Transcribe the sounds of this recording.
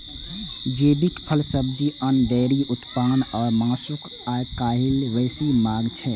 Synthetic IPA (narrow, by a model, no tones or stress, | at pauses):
d͡ʒeːbikpʰəlsəbd͡ʒiənɖɛːɾiʔʊt̪paːnɔːɾmãːsʊk | aːkaːɦɪlʋɛːsimaːɡt͡ʃʰɛ